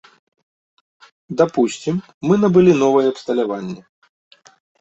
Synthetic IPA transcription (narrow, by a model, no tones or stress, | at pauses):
d̪apusʲt͡sʲimː | ɨnɐbɨlʲinɔvɐjɛɐpst̪ɐlʲavanʲːɛ